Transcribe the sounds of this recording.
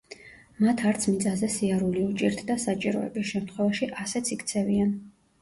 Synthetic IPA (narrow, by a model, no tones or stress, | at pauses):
mat̪ʰaɾt̪sʰmid̪zʼazɛsiaɾuliut͡ʃʼiɾt̪ʰd̪asat͡ʃʼiɾɔ̰ɛ̰bisʃɛmt̪ʰχwɛvaʃiʔasɛt̪sʰikʰt̪sʰɛvian